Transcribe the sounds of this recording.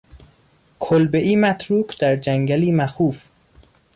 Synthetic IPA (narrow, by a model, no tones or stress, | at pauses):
kʰolbeʔiːmæt̪ʰɾuːkd̪̥æɾd͡ʒæŋɡæliːmæxuːf